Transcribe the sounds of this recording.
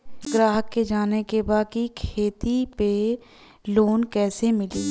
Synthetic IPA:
ɡɾaːɦəkːed͡ʒaːnekebaːd̪̚kikʰeːt̪ipe | loːnkɛːsemɪliː

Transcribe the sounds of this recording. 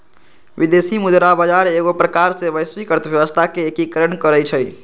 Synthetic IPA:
bid̪esimud̪ɾabəd͡ʒaɾeɡopɾəkaɾsebəjsʋikəɾt̪əbjəwəst̪ʰakeːkikəɾənkəɾɛt͡ʃʰə

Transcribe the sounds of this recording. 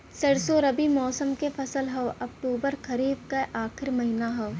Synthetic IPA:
sɐɽsoɾɐbimɔːsəmkefʰɐsəlɦɐʋɐk̚ʈuːbəɾkɐɾiːb̚kaʔaːxɪɾmɐɦɪnaɦɐʋ

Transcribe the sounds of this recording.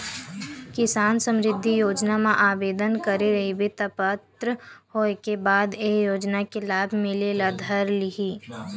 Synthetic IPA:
kɪsaːnsə̃mɾɪd̪ʱːijoːd͡ʒnamãʔaːbeːd̪ənkɐɾeɾɐɦibʱit̪ɐpət̪ɾəhoːekebaːd̪eːjoːd͡ʒnakelaːbʱmɪleːlad̪ʱəɾlɪɦiː

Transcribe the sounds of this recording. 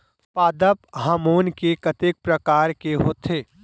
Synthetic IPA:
paːd̪əpɦaːmoːnkekɐt̪eːk̚pɾəkaːɾkeɦoːt̪eː

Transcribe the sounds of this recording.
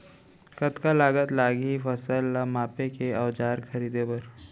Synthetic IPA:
kət̪kalaːɡət̪laːɡifəsəlamaːpekeɐwd͡ʒaːɾkʰɐɾiːd̪epɐɾ

